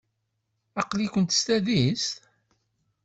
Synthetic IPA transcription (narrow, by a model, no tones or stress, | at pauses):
ɑqlikʷənt̪ə̥st̪æðist̪